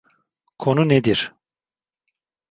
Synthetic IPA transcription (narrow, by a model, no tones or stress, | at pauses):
kʰo̞nuned̪iɾ̥